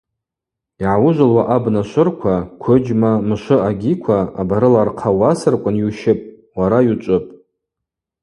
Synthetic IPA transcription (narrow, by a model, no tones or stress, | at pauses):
iʕawʊʒʷalwaʔabnaʃʷʊrkʷʰakʷʰʊd͡ʒmamɨʃʷʊaɡʲikʷʰaːbaɾɨlarqʰawasɨrkʷʼʊnjuʃɪpʼ | waɾajut͡ʃʷʼʊpʼ